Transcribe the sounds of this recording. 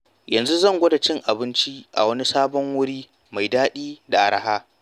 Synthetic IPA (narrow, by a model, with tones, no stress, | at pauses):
jɐ˨nzu˦zɐ˦˨ŋɡʷɐ˦da˨t͡ʃɪ˦ŋʔa˨bɪ˦nt͡ʃi˦ʔa̰˨wɐ˦ni˦saː˦bɔ˦ŋwʊ˦ɽiː˦ | ma˨jdaː˦ɗiː˦da˨ʔa˨ɽa˦ɦaː˦